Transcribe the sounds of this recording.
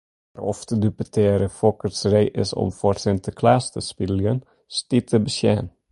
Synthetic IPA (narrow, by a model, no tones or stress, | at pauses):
arɔftədypətʰɪːɾəfɔkərsrejʔɪ̰sɔ̰mforsɪntʰəkʰlaːstəspidəljən | stitʰəbəsjɛːn